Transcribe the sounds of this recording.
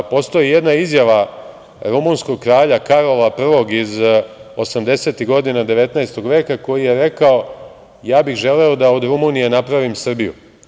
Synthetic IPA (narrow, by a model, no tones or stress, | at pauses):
po̞st̪o̞jije̞d̪naizjaʋa | ɾumuːnsko̞ɡ̚kɾaːʎakaɾo̞lapr̩ʋo̞ɡizo̞samd̪e̞se̞ːt̪iɣɡo̞d̪inad̪e̞ʋe̞t̪naest̪o̞ɡʋe̞ːkako̞jije̞ɾe̞kao̞ | jaːbixʒe̞leo̞d̪ao̞d̪ɾumunije̞napɾaʋimsr̩bijṵ